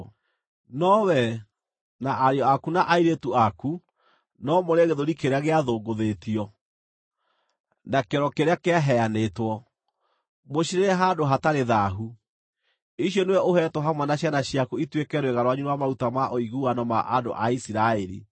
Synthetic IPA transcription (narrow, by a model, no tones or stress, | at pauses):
nɔwɛ | naʔaɾeɔakunaʔaiɾetuaku | nɔmoɾeɣeðoɾikeɾeaɣeaðoːɡoðetiɔ | nakeɾɔkeɾeakeaɦɛanetwɔ | moɕiɾeɾɛɦadoɦataɾeðaɦu | iɕjɔnewɛʔoɦɛtwɔɦamwanaɕjanaɕiakuitwekɛɾweɣaɾwaɲuɾeamautamaʔoiɣuanɔma̰ʔado̰ʔaisiɾaeɾḭ